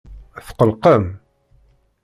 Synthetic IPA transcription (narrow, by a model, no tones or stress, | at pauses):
θqəlqəm